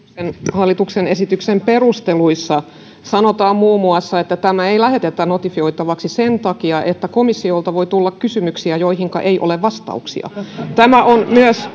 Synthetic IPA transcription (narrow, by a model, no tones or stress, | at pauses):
enhɑlːit̪uksenesit̪yksemperust̪eluisːɑ | sɑnot̪ɑːmmuːmːuɑsːɑet̪ːæt̪æmæeilæhet̪et̪ːænot̪ifioit̪ɑʋɑksisent̪ɑkiɑʔet̪ːækomisːiolt̪ɑʋoit̪ulːɑkkysymyksiæjoihiŋkɑ̰ʔeiʔo̰leʋʋɑst̪ɑ̰uksḭɑ̰t̪æmæʔonmyøs